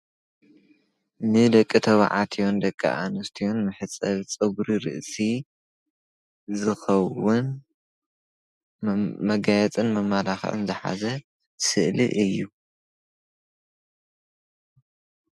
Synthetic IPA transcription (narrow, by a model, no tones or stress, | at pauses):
nɨd̪ɐkʼːit̪ʰɐβʕa̰t̪ʰijond̪ɐkʼːɐ̰ʔa̰nust̪ʰijonmɨħɨt͡sʼɐβt͡sʼɨɡɾiɾɨ̰ʔsʼi | zɨxɐwʊn | mɐɡajɛt͡sʼɨnmɐmalaxʕɨ̰nzɨħa̰zɐ | sɨʔlḭʔɨjːu